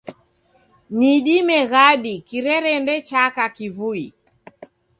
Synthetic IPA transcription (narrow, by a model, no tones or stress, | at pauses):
niɗimɛɣaɗikiɾɛɾɛndɛt͡ʃakakivui